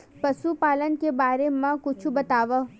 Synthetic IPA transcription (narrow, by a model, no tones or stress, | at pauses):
pəʃupaːlənkebaːɾemãkʊt͡ʃʰubət̪aːʋə